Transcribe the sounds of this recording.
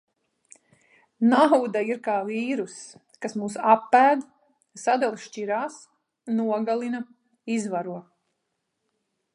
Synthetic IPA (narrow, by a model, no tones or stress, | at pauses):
nawd̪aiɾkaːviːɾus | kasmuːsapːæːd̪ | sad̪ɛlˠʃt͡ʃiɾaːs | nuɔɡalˠina | izvaɾuɔ